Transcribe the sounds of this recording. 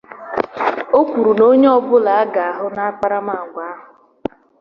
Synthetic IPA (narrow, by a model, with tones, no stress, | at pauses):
o˦kʷu˨ɾu˨no˦ɲe˦ɔ˨bʊ˦la˨a˦ɡa˨a˨ɦʊ˦na˦a˦k͡pa˦ɾa˦ma˦˨ɡʷa˦a˦ɦʊ˨